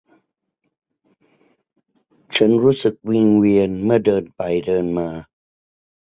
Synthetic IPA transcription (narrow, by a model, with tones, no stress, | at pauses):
t͡ɕʰa˦˥nɾuː˦˥sɯ˨˩k̚wi˧ŋwi˧ənmɯ˥˩ɐdɤː˧npa˧jdɤː˧nmaː˧